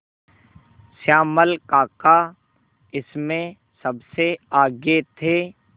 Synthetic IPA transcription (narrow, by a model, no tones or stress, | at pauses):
saːməlkaːka | ɪsmẽ | sɐbseaːɡet̪ʰeː